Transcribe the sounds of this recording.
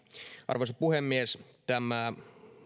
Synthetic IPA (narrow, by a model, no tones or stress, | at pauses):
ʔɑ̰rʋosɑpuhemːiest̪æmæ